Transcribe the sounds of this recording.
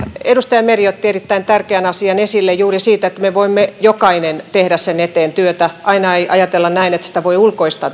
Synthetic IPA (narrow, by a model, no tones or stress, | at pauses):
edust̪ɑjɑmeriot̪ːierit̪ːæint̪ærkeænɑsiɑnesilːejjuːrisiːt̪et̪ːmeʋoimːejokɑinent̪ehdæssenet̪eːnt̪yøt̪æʔɑinɑeiʔɑjɑt̪elːɑnnæinet̪si̥t̪æʋoiulkoist̪ɑ